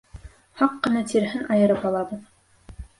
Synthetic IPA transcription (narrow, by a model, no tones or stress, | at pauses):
hɑqːɤ̆nɑt̪iɾɦɘnʔɑjɤ̆ɾɤpɑlˠɑbɤð